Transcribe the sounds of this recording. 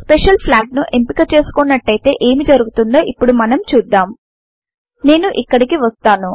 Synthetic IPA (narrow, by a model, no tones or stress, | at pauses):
speʂɐlpʰlaːʈ̚nuʔe̞mpikɐt͡ʃe̞ːsu̥kunːɐʈːɐjit̪e̞̰ːʔe̞ːmid͡ʒɐɾuɡut̪und̪o̞ːʔipːuɽumɐnɐmt͡ʃuːd̪ːaːm | ne̞ːnuʔikːɐɽikiʋɐst̪aːnu